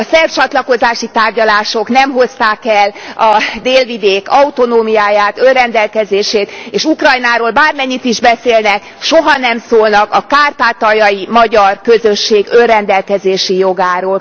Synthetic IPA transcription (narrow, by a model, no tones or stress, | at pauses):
ɒsɛft͡ʃɒt̪lɒko̞zaːʃit̪aːrɟɒlaːʃo̞knɛmɦo̞st̪aːkɛlːɒd̪eːlvid̪eːkɒut̪o̞noːmijaːjaːt̪ølrɛnd̪ɛlkɛzeːʃeːt̪eːʃukrɒjnaːɾoːlbaːrmɛɲːit̪iʒbɛseːlnɛk | ʃoɦɒnɛmsoːlnɒkɒkaːrt̪aːt̪ɒjɒjimɒɟɒrkø̞zøʃːeːɡølrɛnd̪ɛlkɛzeːʃijo̞ɡaːɾoːl